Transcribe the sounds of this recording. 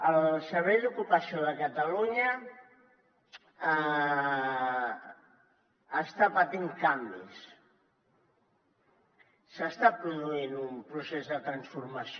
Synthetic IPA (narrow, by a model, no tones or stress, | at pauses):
əlsəɾβɛjd̪ukupəsioðəkət̪əluɲə | st̪apət̪iŋkambḭs | səst̪apɾuðuinumpɾusezðət̪ɾənsfurməsi